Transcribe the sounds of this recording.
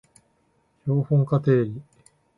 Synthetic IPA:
ço̞ːhõŋkat̪e̞ːɾʲi

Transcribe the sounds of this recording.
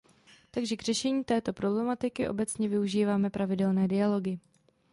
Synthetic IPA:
t̪aɡʒɛɡr̝ɛʃɛɲiːt̪ɛːt̪o̞pɾo̞blɛmat̪ɪkɪʔo̞bɛt͡sɲɛvɪuʒiːvaːmɛpɾʔavɪdɛlnɛːdɪalo̞ɡɪ

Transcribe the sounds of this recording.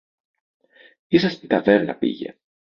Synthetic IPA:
isɐst̪ik̪ɐveɾnɐ̰pḭʝḛ

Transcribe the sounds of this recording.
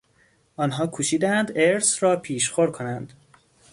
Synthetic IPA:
ʔɒːnɦɒːkʰuʃiːd̪æænd̪eɾsɾɒːpʰiːʃxoɾkʰo̞nænd̪

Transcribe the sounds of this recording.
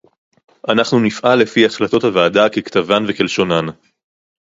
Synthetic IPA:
ʔanaχnunifʔalːe̞fiaχlato̞thavaːdakekt̪avanvekelʃo̞nan

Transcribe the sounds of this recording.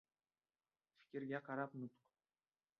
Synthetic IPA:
fʲi̥kʲɪ̆ɾɡʲæqɑɾɑpnut̪q

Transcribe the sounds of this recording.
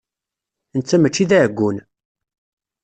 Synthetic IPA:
nt͡sːæmət͡ʃːiðæɡʷːun

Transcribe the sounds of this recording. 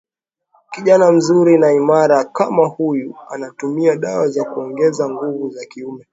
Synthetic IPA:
kiʄanam̩zuɾinaimaɾakamahujuanatumiaɗawazakuɔŋɡɛzaŋɡuvuzakiumɛ

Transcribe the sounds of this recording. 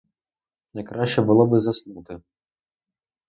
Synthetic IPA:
nɐjkɾɑʃt͡ʃɛbʊlˠɔbɪzɐsnut̪ɪ

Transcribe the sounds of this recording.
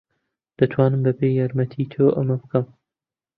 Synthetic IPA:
d̪̥ɐt̪ʰwɑːnɨmbɐpeːjaɾmɐt̪ʰit̪ʰoʔɐmɐbɨkɐm

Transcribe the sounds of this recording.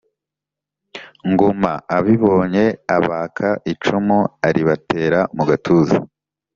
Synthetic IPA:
ŋɡomaːβiβo̞ːɲe̞aβaːkʰaʔit͡ʃumuaɾiβate̞ːɾamuɡatʰuːzḭ

